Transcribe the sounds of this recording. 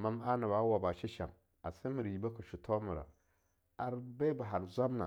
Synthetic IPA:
ma˦ma˦na˨ba˨˦wa˨ba˨ʃi˦ʃa̰˨m | a˨sɪ˦mi˨ɾji˨ba˦kʊ˨ʃu˨tʰɔ˦mɪ˨ɾa̰˨ | a˨ɾbɛ˦ba˨ɦa˨ɾza˦mna̰˨

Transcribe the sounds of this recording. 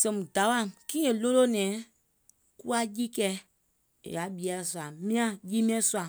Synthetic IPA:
sɛ̃˨mũ˨da˨˦wã˦˨kĩː˦e˨lo˦lo˦nɛ̃ː˨˦ | kṵ˦a˦ji˦kɛ˧˦˨ | ja˨˦ɓi˨˦a˨su˧˨a˨mĩ˦ã˦jiː˦mĩ˦ɛ̃˦su˦a˨

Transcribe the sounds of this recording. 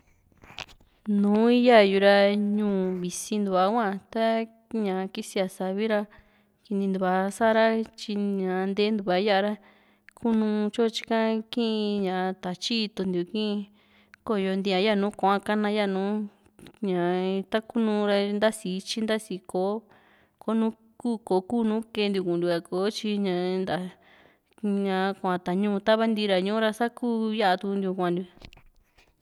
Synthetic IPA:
nũː˨˦i˦ja˦˨ju˧ɾa˧ɲũː˧˨βi˨si˧nd̪u˧βa˧˦kʷã˦˨t̪a˦ | ɲã˨˧ki˦si˧a˧sa˧˨βi˦ɾa˧ | ki˧nĩ˧nd̪u˧βa˧sa˦ɾa˦t͡ʃi˧ɲã˨˧nd̪eː˦nd̪u˧βa˧˦ja˦ʔa˧ɾa˦ | kʰu˦nũ˧t͡ʃo˦˧t͡ʃi̥˦kã˦kĩ˦ʔĩ˧ɲã˨˧t̪a˨t͡ʃi˦˧t̪u˧nd̪u˨˧˨kĩ˦ʔĩ˧ | ko˦˨jo˧nd̪i˧ã˧ja˦˨nũː˨˦kʷã˦ka˦nã˧ja˦˨nũː˨˦ | ɲã˨t̪a˦ku˦nũ˧ɾa˧nd̪a˦si˨˦t͡ʃi˦nd̪a˦si˧ko˨˦ | ko˦nũ˦ | kuː˦ko˨˦kuː˦˨˧nũː˦kẽ˧nd̪ju˧kũ˨nd̪u˧ka˧ko˨˦t͡ʃi˧ɲã˧nd̪a˨ | ɲã˧kʷã˨˧t̪a˨ɲũː˦˧t̪a˦βa˦nd̪i˧ɾa˨ɲũ˦ɾa˧sa˦kuː˦ja˦ʔa˧t̪u˧nd̪ju˧kʷã˧nd̪u˧

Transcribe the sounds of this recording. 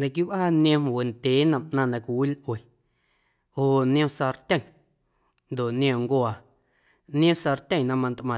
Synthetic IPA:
de˧˨k̬i˦βʔa˦nẽ˧m˨we˨nt̪ʲeː˨˦nã˨mʔnã˧nã˧kʷi˨wi˦lʔwe˨ | o˧˨o˨ʔnj̃õ˦sa˧ɾt̪ʲã˦˨ | nd̪o˨ʔnj̃ẽ˧˨ŋɡwa˨ | nj̃õ˦sa˧ɾt̪ʲə̃˧˨nã˦mã˧nt̪ʔmã˨

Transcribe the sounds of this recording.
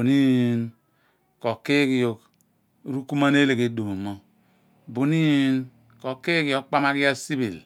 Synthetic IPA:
o˨ni˦˨n | ko˨ke˦ki˨jo˨k | ɾu˦ku˦ma˦ne˦le˨ke˨˦do˨mo˨mo˦ | bo˨ni˦n | ko˨kːe˦ki˨jo˦k̚k͡pa˦ma˦ki˦ja˦si˦bi˨l

